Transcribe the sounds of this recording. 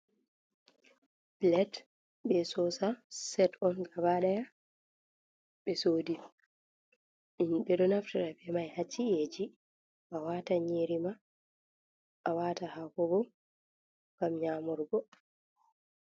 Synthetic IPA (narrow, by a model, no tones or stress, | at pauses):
blɛd | bɛsɔsasɛtɔnɡabaɗaja | ɓɛsoːdi | inɓɛɗɔnaftiɾafɛmajhat͡ʃːied͡ʒi | ʔawataɲeɾima | ʔawatahakɔbɔ | ɡamɲaːmɔɾɡɔ